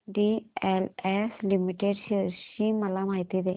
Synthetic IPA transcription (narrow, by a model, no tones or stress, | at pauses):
ɖieleslimiʈːeɖsiɾʃimɐlaːmaːjt̪id̪e